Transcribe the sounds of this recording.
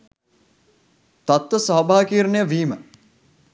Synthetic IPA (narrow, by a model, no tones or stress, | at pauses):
t̪at̪wəsaɦbʱaːkiːɾnejəʋiːmə